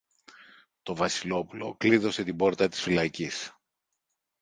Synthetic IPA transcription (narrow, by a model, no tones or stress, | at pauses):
t̪o̞vɐsilo̞pulo̞̰kliðo̞se̞t̪ibo̞ɾt̪ɐt̪i̥sfilɐcis